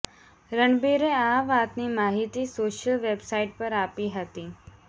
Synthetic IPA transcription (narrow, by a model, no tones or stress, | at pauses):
ɾəɳɖbiɾeaʋat̪nimaɦit̪isoʃəlʋebsaiʈ̚pəɾapiɦət̪i